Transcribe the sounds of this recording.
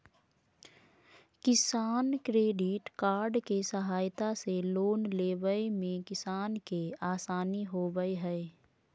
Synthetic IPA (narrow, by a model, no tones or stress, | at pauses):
kɪsaːnkɾeːɖɪʈkaːɾɖkesəɦaːjt̪aseloːnleːʋəemẽkɪsaːnkeaːsaːniɦoːbəeɦɛː